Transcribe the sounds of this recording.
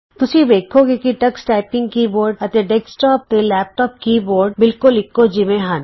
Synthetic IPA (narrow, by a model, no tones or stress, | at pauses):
t̪ʊsibeːkʰoɡekiʈɐksʈaːɪpɪ̃ŋɡkiːboːɾɖɐt̪eɖeksʈɔːp̚t̪elɛːp̚ʈɔːp̚kiːboːɾɖbɪlkʊlɪkːod͡ʒɪmẽɦan